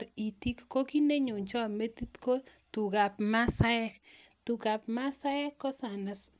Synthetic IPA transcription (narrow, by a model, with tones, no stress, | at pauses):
ɾi˨t̪i˦kːo˦ki˦ne˦ɲo˨ɲt͡ʃɔ˦me˦t̪i˦t̪ko˦tu˨ka˨pma˦sa˦ɛ˦kt̪u˨ka˨pma˦sa˦ɛ˦kːɔ˦sa˨na˨s